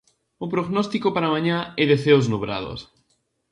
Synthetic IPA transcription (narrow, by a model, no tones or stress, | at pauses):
ʊpɾoɣnɔst̪ikopaɾamãɲãɛðeθeoznuβɾa̰ð̞o̰s